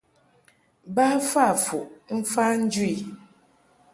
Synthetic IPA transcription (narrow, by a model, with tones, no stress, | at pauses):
ba˦fa˦˨fu˨ʔm̩˦fa˦n̩˦d͡ʒu˦i˨